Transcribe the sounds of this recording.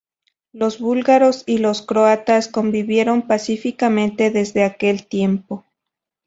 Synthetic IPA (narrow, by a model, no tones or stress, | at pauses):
lo̞zβulɣaɾo̞silo̞skɾoat̪asko̞mbiβje̞ɾo̞mpasifikamẽnt̪e̞ðe̞zðe̞ake̞lt̪je̞mpo